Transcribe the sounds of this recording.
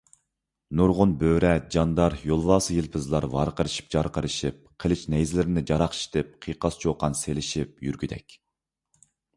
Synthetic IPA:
nuɾʁʊnbøːɾɛd͡ʒɑnd̪ɑɾjolˠvɑːsɨjilpʰɨzlˠɑɾvɑ̰ɾqəɾɨʃi̥p̚d͡ʒɑɾqʰəɾɨʃip̚qʰəlˠɪt͡ʃnɛjzɪlɪɾɪnɪd͡ʒɑɾɑχʃʰi̥t̪ʰɪp̚qʰijqɑst͡ʃʰoqɑnselɪʃip̚jyɾɡʲyd̪ɛ̰kʲ

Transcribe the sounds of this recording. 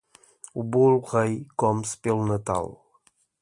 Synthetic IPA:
ubulʁəjkɔmspelˠnət̪a̰lˠ

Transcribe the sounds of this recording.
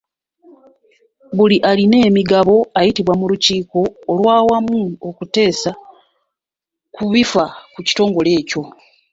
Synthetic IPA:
βuliʔaline̞ːmiɡaβo̞ajitiβwamuluciːko̞ːlwaːwamuokute̞ːsa | kuβifakuci̥to̞ːŋɡo̞le̞ːco̞

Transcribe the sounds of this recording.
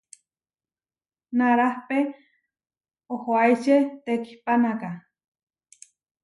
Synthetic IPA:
naɾahpe | ohoajt͡ʃet̪eki̥hpanaka

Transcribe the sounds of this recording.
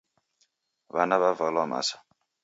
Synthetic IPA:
βanaβavalama̰sḁ

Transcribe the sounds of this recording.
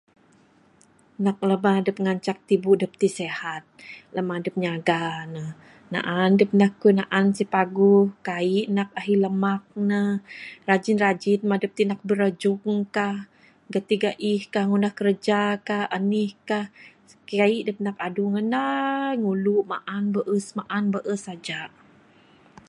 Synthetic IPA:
nak̚ləmadəp̚ŋaɲt͡ʃak̚t̪ibudəp̚t̪isehat̪̚ləmadəp̚ɲaɡanəh | na̰ʔandəp̚nahkːunaʔansipaɡuhkaiʔnak̚aɦiləmak̚nərad͡ʒinrad͡ʒit̪̚madəp̚t̪inak̚bəɾəd͡ʒuŋkah | ɡat̪iɡaʔihkahŋunahkəɾəd͡ʒakahanihkah | kaiʔdəp̚nakaduŋənaŋuluʔma̰ʔanbəʔəsmaʔanbəʔəsad͡ʒaʔ

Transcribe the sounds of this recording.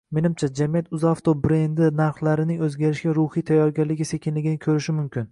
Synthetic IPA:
me̞nɪmt͡ʃʰad͡ʒamijat̪ʊzaft̪ʰobɾe̞nd̪ɪnaɾχlaɾɪnɪŋɵzɡʲaɾɪʃɡʲaɾʊhijt̪ʰajːɒɾɡʲalɪɡʲɪse̞kʲɪnlɪɡʲɪnɪkʲʰɵɾɪʃɪmʊmkʲɪn

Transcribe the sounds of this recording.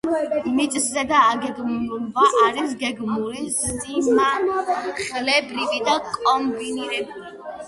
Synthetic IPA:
mit̪ʼszɛd̪aːɡɛd̪mnulvaaɾisɡɛɡmuliszima | χɛlɛbɾivid̪akʼɔmbiniɾɛbuli

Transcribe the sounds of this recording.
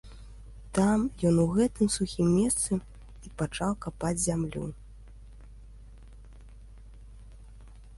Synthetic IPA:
t̪amjɔnuɣɛt̪ɨmsuxʲimːʲɛst̪sɨ | ipat͡ʂawkapad͡zʲzʲamlʲṵ

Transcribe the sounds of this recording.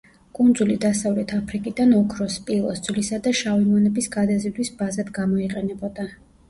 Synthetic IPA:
kʼund̪zulid̪asavlɛt̪ʰapʰɾikʼid̪anɔkʰɾɔspʼilˠɔ̰sd̪z̥lisad̪aʃavimɔnɛbisɡad̪azid̪wisbazad̪ɡamɔiqʼɛnɛbɔd̪a

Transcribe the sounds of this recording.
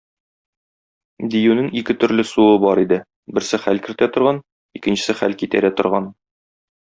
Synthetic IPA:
d̪ijʉnɘŋikɘt̪ɵ̆ɾlɘsuɤbɒɾid̪ɘ | bɘ̆ɾsɘχælkɘ̆ɾt̪æt̪ŏɾʁɑn | ikɘ̆nɕɘ̆sɘχælkit̪æɾæt̪ŏɾʁɑn

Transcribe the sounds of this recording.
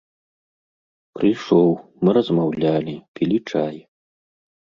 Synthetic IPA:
pɾɨjʂɔwmɨɾɐzmawlʲalʲipʲilʲit͡ʂaj

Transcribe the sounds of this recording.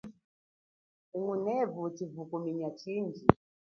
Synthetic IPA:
uŋunɛvutivukumiɲat͡ʃind͡ʒi

